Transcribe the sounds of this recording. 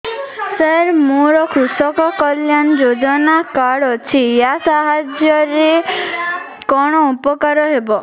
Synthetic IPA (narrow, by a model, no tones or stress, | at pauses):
səɾmoɾɔkʰusɔkɔkɔljand͡ʒod͡ʒɔnakaɽɔt͡ʃʰijasaɦad͡ʒjɔɾe | kɔɽ̃ɔupɔkaɾɔɦebɔ